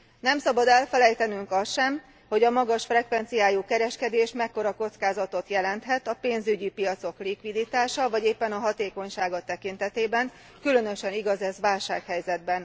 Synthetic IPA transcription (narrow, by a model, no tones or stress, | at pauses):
nɛmsɒbɒd̪ɛlfɛlɛjt̪ɛnyŋkɒsʃɛm | ho̞ɟɒmɒɡɒʃfrɛkʋɛnt̪sijaːjuːkɛɾɛʃkɛd̪eːʃmɛkːo̞ɾɒko̞t̪skaːzɒt̪o̞t̪jɛlɛnt̪ɦɛt̪ɒpeːnzyɟipijɒt̪so̞klikʋid̪it̪aːʃɒvɒɟeːpːɛnɒɦɒt̪eːko̞ɲʃaːɡɒt̪ɛkint̪ɛt̪eːbɛŋ | kylø̞nø̞ʃɛniɡɒzɛzʋaːlʃaːkhɛjzɛd̪̚bɛn